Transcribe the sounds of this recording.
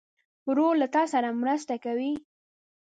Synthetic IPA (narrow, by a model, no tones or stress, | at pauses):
ɾolːat̪ɑsaɾamɾast̪akawi